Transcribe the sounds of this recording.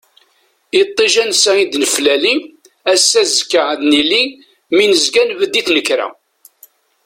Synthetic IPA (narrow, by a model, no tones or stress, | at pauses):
it̪ˤːiʒænsæid̪nəflæli | æsːæzəkːəʕd̪nili | minəzɡænvəd̪ːiθnəkːɾa̰